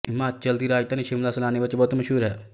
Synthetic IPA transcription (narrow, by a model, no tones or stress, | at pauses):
maːt͡ʃɐld̪iːɾaːjt̪ɐniʃɪmlaːsɐlaːneʋɐt͡ʃbɔːt̪mɐʃɦuːɾɦɛː